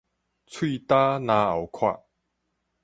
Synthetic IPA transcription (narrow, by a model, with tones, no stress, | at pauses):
t͡sʰwi˥˧t̪a˦nã˧a̰˨˩wkʰwa̰˥˧˨ʔ